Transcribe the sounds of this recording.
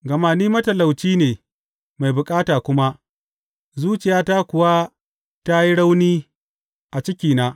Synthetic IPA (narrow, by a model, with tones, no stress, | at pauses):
ɡɐ˨maː˨niː˦mɐ˦tɐ˨la˨wt͡ʃiː˦neː˨ | ma˨jbʊ˨kʼaː˦taː˨kʷʊ˦ma˦ | zuː˦t͡ʃɪ˨jaː˦ta˦kʷʊ˨wa˦ | ta˦ji˦ɽa˦wniː˦ | ʔa˨t͡ʃɪ˦kʲiː˨naː˦